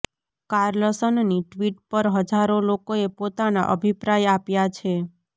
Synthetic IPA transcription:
kaɾləsənniʈʋiʈ̚pəɾɦəd͡ʒaɾolokoepot̪ana̰ʔə̰bʱipɾajapjat͡ʃʰe

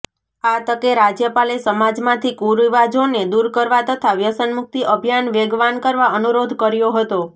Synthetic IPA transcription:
at̪əkeɾad͡ʒjəpalesəmad͡ʒmãt̪ʰikuɾiʋad͡ʒoned̪uɾkəɾʋat̪ət̪ʰaʋjəsənmʊk̚t̪iʔəbʱjanʋeɡʋankəɾʋaənuɾod̪ʱkəɾjoɦət̪o

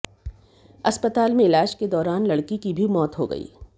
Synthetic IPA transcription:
ɐspət̪aːlmẽɪlaːd͡ʒked̪ɔːɾaːnlɐɽkikibʱimɔːt̪ɦoɡɐ̰ḭː

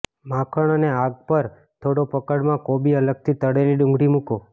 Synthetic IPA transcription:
mãkʰəɳəneaɡ̚pəɾ | t̪ʰoɽopəkəɽmãkobiələɡ̚t̪ʰit̪əɽeliɖũŋɡʱɽimũko

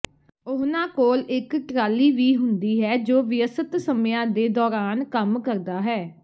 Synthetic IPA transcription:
ʊɦnãːkoːlɪkʈɾaːliːʋiːɦʊnd̪iːɦɛːd͡ʒoːʋɪəsət̪səmjãːd̪eːd̪ɔːɾaːnkəmkəɾd̪aːɦɛː

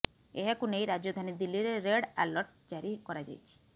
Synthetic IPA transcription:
eɦekunejɾad͡ʒod̪ʱanid̪ilːiɾeɾeɽɛlɔɾʈd͡ʒaɾikɔɾad͡ʒa̰jt͡ʃʰi̥

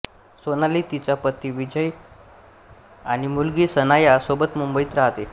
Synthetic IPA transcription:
sonaliːt̪it͡ɕapət̪ːiːʋid͡ʑəj | aɽ̃imulɡiːsənajasobət̪mumbəit̪ɾaɦt̪e

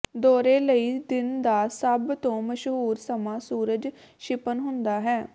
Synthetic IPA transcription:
d̪oːɾeːləiːd̪ɪnd̪aːsəbt̪õːməʃɦuːɾsəmãːsuːɾəd͡ʒ | ʃɪpənɦʊnd̪aːɦɛː

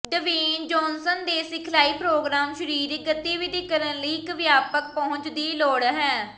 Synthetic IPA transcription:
ɖəʋiːnd͡ʒɔːnsənd̪eːsɪkʰlaːiːpɾoːɡɾaːmʃəɾiːɾɡət̪iːʋɪd̪iːkːəɾənləiːkʋjaːpək̚pɔ̃ɦʊ̃ɲt͡ʃd̪iːloːɽɦɛː

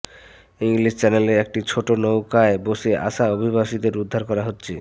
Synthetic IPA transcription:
iŋlist͡ɕɛneleek̚ʈit͡ɕʰoʈonowkaeboʃeʔa̰ʃaobʱiβaʃid̪eɾud̪ʱːaɾkɔɾaɦotːɕʰe

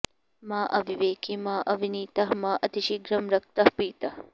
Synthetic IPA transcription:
maːʔɐʋiʋeːkimaːʔɐʋiniːt̪ɐɦmaːʔɐt̪iʃiɡɾɐmɾɐk̚t̪ɐhpiːt̪ɐh

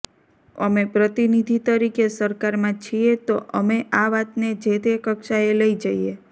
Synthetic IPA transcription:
ə̰mepɾət̪inid̪ʱit̪əɾikesəɾkaɾmãt͡ʃʰiet̪oʔəmeʔaʋat̪ned͡ʒet̪ekəkʃaeləid͡ʒaie

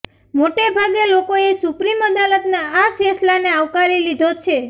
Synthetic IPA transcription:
moʈebʱaɡelokoesʊpɾiməd̪alət̪naafʰɛslaneaʋkaɾilid̪ʱot͡ʃʰe

